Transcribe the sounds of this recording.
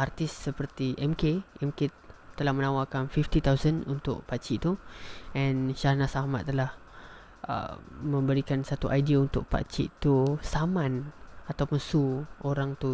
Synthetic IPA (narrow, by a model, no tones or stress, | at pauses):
ʔart̪ɪssəpərt̪iʔɛmkeʔɛmke | t̪əlahmə̃nawakanfift̪it̪awsənunt̪ʊ̰ʔ̚pat͡ʃiʔt̪uɛ̃nʃahnasaɦma̰ʔ̪̚ːəlah | ə̰mə̃mbəɾikansat̪uʔajdiaunt̪ʊk̚pa̰t͡ʃḭʔt̪usamãnat̪awmənsuoɾaŋt̪u